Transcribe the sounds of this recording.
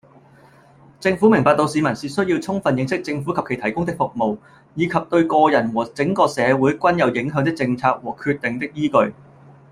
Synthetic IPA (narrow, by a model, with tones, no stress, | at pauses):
t͡sɪ˧ŋfu˨˥mɪ˨˩ŋpaː˨˧t̪o˧wsiː˨˧mɐ˨˩nsiː˨sɵ˥ɥjiː˧wt͡sʰʊ˥ŋfɐ˨njɪ˧ŋsɪ˥k̚t͡sɪ˧ŋfuː˨˥kʰɐ˨pkʰjt̪ʰɐ˨˩jkʊ˥ŋt̪̬ɪ˥k̚fʊ˨k̚mo˨w | jiː˨˧kʰɐ˨p̚t̪ɵ˧ɥkɔː˧jɐ˨˩nwɔː˨˩t͡sɪ˨˥ŋkɔː˧sɛː˨˧wu˨˥jkʷɐ˥njɐ˨˧wjɪ˨˥ŋɦœː˨˥ŋt̪ɪ˥k̚t͡sɪ˧ŋt͡sʰaː˧k̚wɔː˨˩kʰyː˧t̚t̪ɪ˨ŋt̪ɪ˥k̚jiː˥kɵ˧ɥ